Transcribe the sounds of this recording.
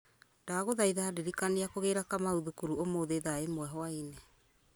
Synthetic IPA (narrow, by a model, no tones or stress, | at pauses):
daɣoðaiðadeɾikaneakoɣeɾakamauðukuɾuomoðeðaemwɛɦɔainɛ